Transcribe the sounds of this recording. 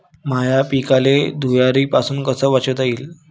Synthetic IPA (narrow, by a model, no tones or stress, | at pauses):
majapikaled̪ʱujaɾiːpasuːnkəsəːʋat͡ɕəʋd͡z̪aiːl